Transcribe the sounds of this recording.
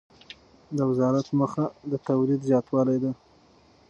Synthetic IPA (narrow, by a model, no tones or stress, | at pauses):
d̪əwɪzɑɾat̪məxad̪ət̪awlid̪zjɑt̪wɑlajd̪a